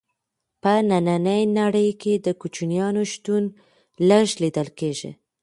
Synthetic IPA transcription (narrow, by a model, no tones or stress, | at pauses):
pənananəjnaɽəjked̪əkut͡ʃunijɑnoʃt̪un | ləʒlid̪əlkeʒḭ